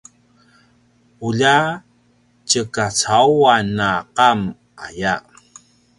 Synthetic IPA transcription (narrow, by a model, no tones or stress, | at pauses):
uʎa | t͡ɕəkat͡sawanːaqam | ʔaja